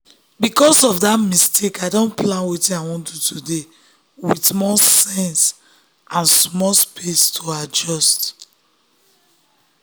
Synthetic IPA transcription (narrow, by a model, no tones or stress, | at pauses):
bikɔsɔfdatmistʰekaɪdõnplãnwetĩnaɪwɔ̃ntʰutude | wismɔsɛ̃ns | ãnsmɔlspʰestʰoad͡ʒɔst